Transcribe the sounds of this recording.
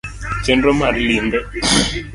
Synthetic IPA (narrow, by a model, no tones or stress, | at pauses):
t͡ʃɛndɔmaɾlindɔ